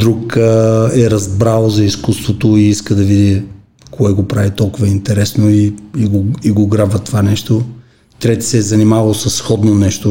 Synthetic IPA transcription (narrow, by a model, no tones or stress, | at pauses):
d̪ɾuk | ɛɾɐzbɾalˠzɐiskust̪vot̪oiiskəd̪ɐvid̪i | koɛɡopɾavit̪ɔlˠkʊvəint̪ɛɾɛsnoiiɡoiɡoɡɾabvɐt̪ovanɛʃt̪o | t̪ɾɛt̪i̥sɛːzɐnimavɐlˠsɐsːxɔd̪nonɛʃt̪o